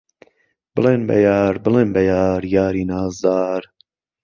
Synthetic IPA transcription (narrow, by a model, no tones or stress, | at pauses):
b̥ɨleːnbɐ̰jaːɾbɨleːnbɐjaːɾjaːɾiːnaːzd̪aːɾ